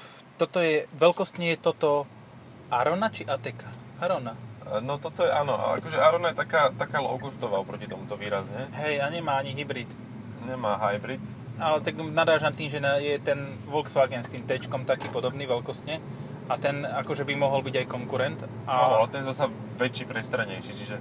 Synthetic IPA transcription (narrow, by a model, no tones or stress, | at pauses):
t̪ɔt̪ɔjɛʋɛlkɔst̪ɲɛjɛt̪ɔt̪ɔ | ʔaɾɔnat͡ʃiʔat̪ɛkḁaɾɔnanɔt̪ɔt̪ɔjɛʔanɔʔa̰a̰kɔʒɛʔaɾɔnajɛt̪akaːt̪akaːlɔ̰ʊɡust̪ɔʋaːɔpɾɔcit̪ɔmut̪ɔʋiːɾazɲɛɦɛjaɲɛmaːaɲiɦibɾit̪ | ɲɛmaːɦajbɾit̪ | alɛt̪aɡnad̪ɾaːʒamt̪iːmʒɛnajɛt̪ɛn | ʋɔlksʋaɡɛnst̪iːmt̪ɛt͡ʃkɔmt̪akiːpɔd̪ɔbniːʋɛlkɔst̪ɲɛ | ʔat̪ɛnakɔʒɛbimɔɦɔlbiɟajkɔŋkuɾɛnt̪ | ʔaanɔalɛt̪ɛnjɛzasɛ | ʋɛt͡ʃːiːpɾɛst̪ɾaɲɛjʃit͡ʃiʒɛ